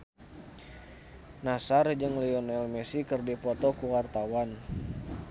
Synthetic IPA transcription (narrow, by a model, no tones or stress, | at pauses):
nasard͡ʒɨŋliɔnɛlmɛsikərdipɔt̪ɔkuwart̪awan